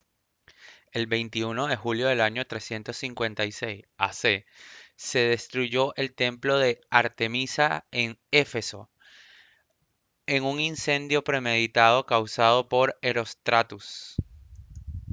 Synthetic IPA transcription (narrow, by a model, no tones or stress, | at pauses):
e̞lbe̞jnt̪iuno̞ðexuljo̞ð̞e̞laɲo̞t̪ɾe̞sje̞nt̪o̞sːiŋkwe̞nt̪ajse̞jsa̰se̞ | se̞ð̞e̞st̪ɾuʝo̞ʔe̞lt̪e̞mplo̞ðe̞aɾt̪e̞misaeŋe̞fe̞so̞̰ | e̞ŋuŋinse̞nd̪jo̞pɾe̞me̞ðit̪að̞o̞kawsað̞o̞po̞ɾe̞ɾo̞st̪ɾat̪us